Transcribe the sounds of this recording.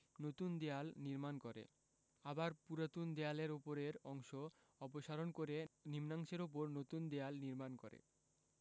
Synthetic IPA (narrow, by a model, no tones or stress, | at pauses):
not̪und̪ealniɾmankoɾḛ | abaɾpuɾat̪und̪ɛaleɾopoɾeɾɔŋʃo | ɔpoʃaɾonkoɾenimnaŋʃeɾop̬oɾnot̪und̪ealniɾmanko̰ɾḛ